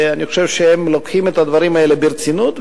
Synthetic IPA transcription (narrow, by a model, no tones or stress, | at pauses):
anixχo̥ʃe̞vʃeemlokχimet̪ad̪vaɾimae̞lebeɾt͡sinut̪